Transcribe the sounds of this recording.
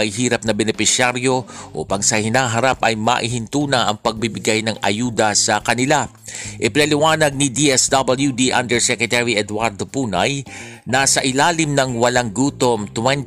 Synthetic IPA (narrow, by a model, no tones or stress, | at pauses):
ɐɪɦiːɾɐp̚nɐbɛnɛpɪsjaɾjo̞ʔo̰pɐŋsɐhɪnaːɦɐɾapʔɐjmɐ̰ʔɪɦɪnt̪uːnɐʔɐŋpɐɡ̚bɪbɪɡajnɐŋɐ̰juːd̪ɐsɐkɐnɪla | ʔɪpɪnɐlɪwaːnɐɡ̚nid̪iʔɛsd̪abɐljud̪iʔɐnd̪ɛɹsɛkɹɛt̪ɛɹiʔɛd̪waɾd̪opuːnɐ̰j | nasɐʔɪlaːlɪmnɐŋwɐlaŋɡuːt̪omt̪wɛn